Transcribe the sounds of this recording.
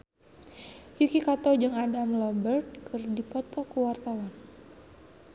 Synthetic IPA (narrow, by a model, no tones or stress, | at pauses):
jukikat̪od͡ʒɨŋadamlɔbərt̪̚kʰɨrdipɔt̪ɔkəwart̪awan